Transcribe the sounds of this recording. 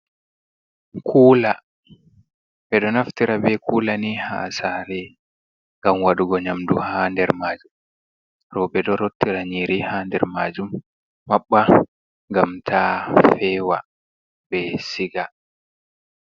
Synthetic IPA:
kʰuːla | bɛɗɔnaftiɾabɛkʰuːlaniha̰ːsaɾɛ | ŋɡamwaɗuɡɔɲamduhandɛɾmaːd͡ʒum | ɾɔbɛɗɔɾotːiɾaɲiɾihandɛ̰ɾmaːd͡ʒumː | aɓːa | ŋɡamtʰafɛːwa̰ | bɛsiɡa

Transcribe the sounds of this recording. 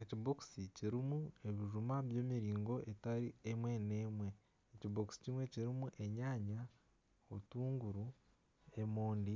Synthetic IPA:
eciβoksiciɾimue̞βiʒumaβjeːmiɾiːŋɡo̞ʔe̞taɾiemwe̞ne̞ːmwe̞ː | ciβoksi̥cimwe̞ciɾimuʔe̞ɲaːɲa | oβutuːŋɡuɾu | e̞moːndi

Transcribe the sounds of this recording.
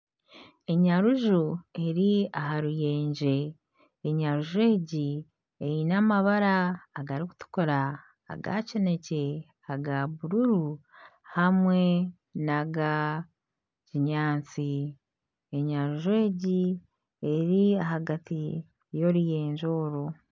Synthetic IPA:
e̞ɲaɾuʒue̞ɾiaɦaɾuje̞ːɲd͡ʒe̞ː | ɲaɾuʒwe̞ːɟi | ejinamaβaɾaːɡaɾiku̥tu̥koɾa̰ː | ɡa̰cene̞ce̞ | aɡaβuɾuɾuhamwe̞ | naɡa | ciɲaːnt͡si | e̞ɲaɾuʒuwe̞ːɟi | eɾiaɦaɡati | jo̞ɾuje̞ːɲʒo̞ːɾo

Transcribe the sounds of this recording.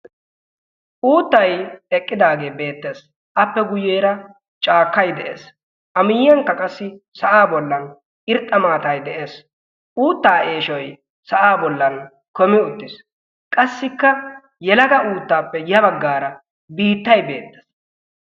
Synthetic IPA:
ʔuːt̪ːɐjɛkʼːɪd̪aːɡe̞ːbe̞ːt̪ːeːs | ʔɐpːɛɡʊjːeːɾɐ | t͡ʃʼaːkːɐjd̪ɛʔḛːs | ʔɐmɪjjɐŋkːɐkʼɐsːɪsɐʔaːbɔlːɐn | ɪɾt̪ʼːɐmaːt̪ɐjd̪ɛʔe̞ːs | ʔuːt̪ːaːʔe̞ːʃɔj | sɐʔaːbɔlːɐn | kɔmɪʊt̪ːɪs | kʼɐsːɪkːɐ | jɛlɐɡɐʔuːt̪ːaːpːɛjɐbɐɡːaːɾɐ | biːt̪ːɐjbe̞̰ːt̪ːe̥s

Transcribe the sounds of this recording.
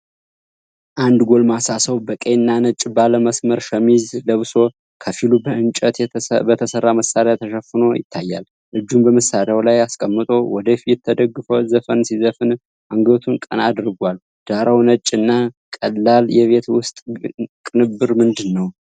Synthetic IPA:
ʔand̪ɡo̞lmasasəwbəkʼenːanət͡ʃʼːbaləməsməɾʃəmizləβso̞ | kʰəfilubəʔɨnt͡ʃʼət̪bət̪ʰəsərːaməsaɾat̪ʰəʃəfːɨno̞jɪ̰t̪ʰːajːa̰l | ʔɨd͡ʒːumbəməsaɾjawlajaskʼəmːɨt̪ʼo̞wɔd̪əfijɛt̪ʰːəd̪əɡːɨfəwzəfənsizəfɨn | ʔaŋɡət̪ʰunkʼə̰nad̪ɾɡʷal | d̪̥aɾawnət͡ʃʼːɨnːa | kʼəlːaljɛβe̞t̪wʊst̪ʼkʼɨnɨbɨɾmɨnd̪ɨnːəw

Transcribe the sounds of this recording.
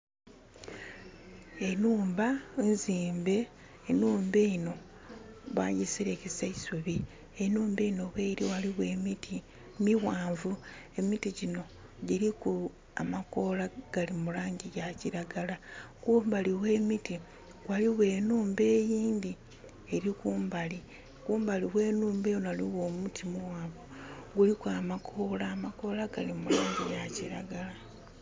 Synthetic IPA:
e̞nuːmbanziːmbe̞ː | nuːmbeino̞ | βwajisiɾe̞kesaisuβi | enuːmbe̞ino̞βweɾiwaliwwemiti | miwaːɱvu | e̞mitiɟino̞ | ɟiɾiku | amako̞laɡ̥alimulaːɲɟijaciɾaɡalakuːmbaliwe̞ːmiti | waliwe̞ːnuːmbe̞ːjiːnd̪i | eɾikuːmbali | kuːmbaliwe̞ːnuːmbejonoaliwo̞ːmutimuwaːɱβuɡulikwaːmakʰoːlaːmako̞laɡalimulaːɲɟijaciɾaɡala

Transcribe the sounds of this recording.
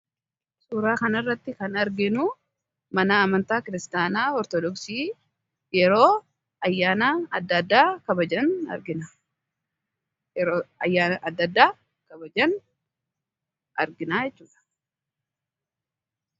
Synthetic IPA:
suːɾaːkɐnɐrːɐt̪ːɪkɐnɐɾɡɪnuː | mɐnaːmɐnt̪aːkɪɾɪst̪aːnaːɔɾt̪ɔd̪ɔksiː | jɛɾo̞ː | ɐjːaːnaːɐd̪ːɐd̪ːaːkɐbɐd͡ʒɐnɐ̰ɾɡɪna | ɾoːɐjːaːɐd̪ːɐd̪ːaː | kɐbɐd͡ʒɐn | ɐ̰ɾɡɪnaːjɛt͡ʃːuːᶑɐ̥

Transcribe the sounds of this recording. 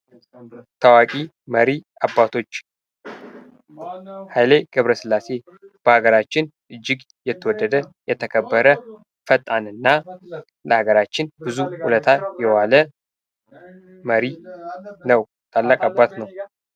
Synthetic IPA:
t̪ʰəwakʼi | məɾiʔabːat̪ʰo̞t͡ʃː | hajleɡ̥əβɾəsɨlːase̞ | b̥əhaɡəɾat͡ʃːɪnʔɨd͡ʒːɪɡ | jɛt̪ʰːəwɔd̪ːəd̪əjɛt̪ʰəkʰəbːəɾə | fət̪ʼːanɨnːa | ləhaɡəɾat͡ʃːɪnbɨzuhulət̪ʰajɛwalə | məɾi | nəw | t̪ʰalːakʼabːat̪nəw

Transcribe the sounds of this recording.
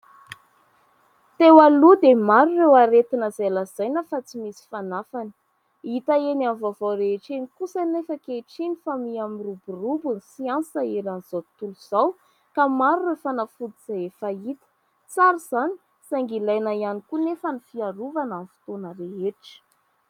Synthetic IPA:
t̪ewalud̪emaɾurewaɾet̪inəzajlaz̥ajnəfat͡simisi̥fanafani̥ | it̪aenanvavawɾeɦeʈ͡ʂenikusanefəkeʈ͡ʂinifamiamiruburubunisiansəeɾanz̥awit̪uluz̥aw | kamaɾurewfanafud̪iz̥aefait̪ə̥ | t͡saɾiz̥ani̥ | saŋɡilajnajanikunefənifiaɾuvanamfi̥t̪onəɾeɦeʈ͡ʂə̥

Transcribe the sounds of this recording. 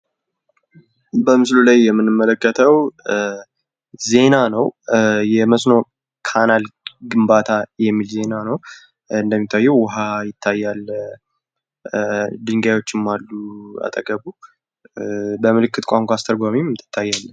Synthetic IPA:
bəmɨslulajːɛmːɨnːɨmːələkːət̪ʰəw | ze̞nanəwjɛməsno̞ | kʰanalɡɨmbat̪ʰajɛmːilze̞nanəw | ɨnd̪əmːit̪ʰːajːɛwwʊɦajɪt̪ʰːajːal | d̪ɨŋɡajwo̞t͡ʃːɪmːalːua̰t̪ʼəɡəbu | bəmɨlɨkːɨt̪kʷʼaŋkʷaːst̪ʰəɡʷamimt̪ʰɨ̥t̪ʰːajːalːən

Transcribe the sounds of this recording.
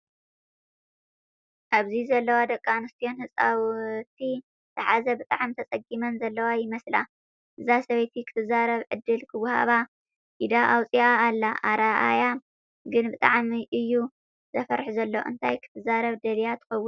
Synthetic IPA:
ʔaβzizɐlːɐwad̪ɐkʼːanɨst̪ʰijo̞nhɨsʼawt̪ʰi | zɨħazɐbɨt̪ʼaʕmt̪ʰɐt͡sʼɐɡimɐnzɐlːɐwajɪmɐsla̰ | ʔɨzasɐβɐjt̪ʰikʰɨ̥t̪ʰɨzaɾɐβʕɨd̪ːɨlkʰɨwhaβa | ʔid̪aʔawt͡sʼiaːlːaʔaɾaʔa̰ja | ɡɨnbɨt̪ʼaʕmiʔɨjːu | z̥ɐfɐɾħzɐlːoɨ̰nt̪ʰajkʰɨ̥t̪ʰɨzaɾɐβd̪ɐlijat̪ʰɨ̥xɐwːʊn

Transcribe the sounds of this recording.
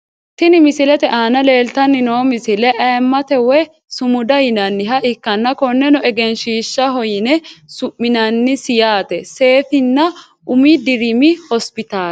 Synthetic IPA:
t̪ɪnɪmɪsɪlɛt̪ɛʔaːnɐle̞ːlt̪ɐnːɪnoːmɪsɪlɛʔɐːmːɐt̪ɛwɛ | sʊmʊd̪ɐjɪnɐnːɪɦɐʔɪkːɐnːɐkɔnːɛnɔʔɛɡɛnʃiːʃːɐɦɔjɪnɛsʊʔːɪnɐnːɪsɪjaːt̪ɛse̞ːfɪnːɐ | ʊmid̪ɪɾɪmɪhɔspɪt̪aː

